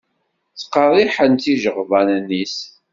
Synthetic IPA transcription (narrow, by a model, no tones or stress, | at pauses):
t͡sːə̥qːəɾˤiħənt̪iʒəʁvænnːis